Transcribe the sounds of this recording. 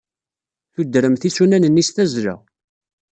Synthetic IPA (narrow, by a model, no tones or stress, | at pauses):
θud̪ːɾəmθisunænənːisθæzɾə̰